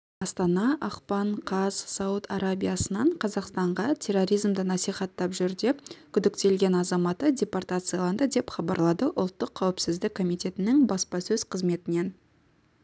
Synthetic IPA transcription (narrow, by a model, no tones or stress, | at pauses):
ɑst̪ɑnɑʔɑqpɑɴqʰɑzsɑwut̪ɑɾabʲijasənɑɴqʰɑzɑqst̪ɑɴʁɑt̪ʲʰe̞rːo̞ɾijzmd̪ənɑsijχɑt̪ːɑpʒʏɾd̪e̞kʲʰʏd̪ɪkt̪e̞lɡʲe̞nɑzɑmɑt̪ədʲe̞port̪at̪sɨjalˠɑnd̪əd̪e̞pχɑbɑɾlˠɑd̪əʔʊlˠt̪ːəqʰːɑwɪpsɪzd̪ɪkʰːo̞mijt̪e̞t̪ɪnɪŋbɑspɑsɵz̥qʰəzme̞t̪ɪne̞n